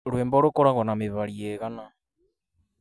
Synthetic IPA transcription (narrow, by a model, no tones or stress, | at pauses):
ɾweːmboɾokoɾaɣonameβaɾieɣana